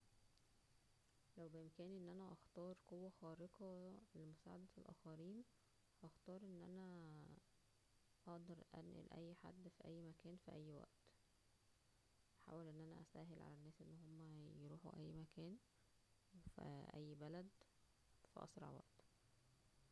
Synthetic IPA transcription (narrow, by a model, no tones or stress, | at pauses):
læwbeʔemkæːnʔenːʔænæʔɑxt̪ɑːɾˤqowːæxɑːɾekɑlemosæːʕad̪æelʔæ̰ːxæɾiːn | hɑxt̪ɑːɾˤʔenːʔæ̰næ | ʔɑʔd̪ɑɾˤʔæ̰nʔḛlʔæ̰jːħa̰d̪ːfiʔæjːmækæːnfiʔæjːwæ̰ʔt̪ | ʔæħa̰ːwelʔenːʔænæʔæ̰st̪æːɦelʕa̰lænːæːsʔenːhomːæjɾuːħṵʔæjːmækæːn | fḭʔæ̰jːbælæd̪ | fæ̰ʔɑ̰sɾˤɑ̰ʕwæ̰ʔt̪